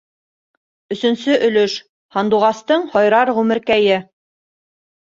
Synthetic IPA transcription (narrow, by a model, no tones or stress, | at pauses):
ɵ̆sɵ̆nsɵʔɵ̆lɵʃ | hɑnd̪uʁɑst̪ɤɴhɒjɾɑɾʁʉmɘ̆ɾkæjɘ